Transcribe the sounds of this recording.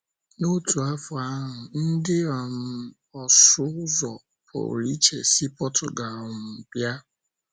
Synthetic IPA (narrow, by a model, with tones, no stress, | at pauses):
no˦tu˨a˦fʊ˨a˦ɦʊ˨n̩˦dɪ˦ɔ˨n̩˦ | ɔ˨sʊ˦zɔ˨ | pʰʊ̰˨ɾi˦t͡ʃḛ˨si˦pɔ˦tʰʊ˨ɡa˨ɔ˨m̩˨pja˦